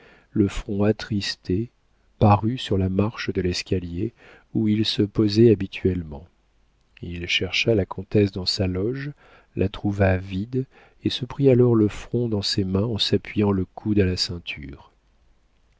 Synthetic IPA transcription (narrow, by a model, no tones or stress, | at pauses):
ləfχɔ̃at̪χist̪e | paʁysyʁlamaʁʃd̪əlɛskʲalje | uilsəpɔzɛabit̪ʰɥɛlmɑ̃ | ilʃɛʁʃalakʰɔ̃t̪ɛsd̪ɑ̃salɔʒ | lʔat̪χuvavid̪ | esəpχialɔʁləfχɔ̃d̪ɑ̃semɛ̃ɑ̃sapɥijɑ̃ləkʰud̪alasɛ̃t̪ʰy̰ːʁ